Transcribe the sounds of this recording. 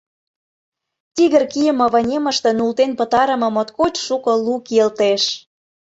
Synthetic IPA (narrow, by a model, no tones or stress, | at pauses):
t̪iɣə̆rkijə̆mɤ̆βɑnʲemə̆ʃt̪ə̆nult̪enpət̪ɑɾə̆mɤ̆mot̪kot͡ɕʃukɤ̆lukelt̪eʃ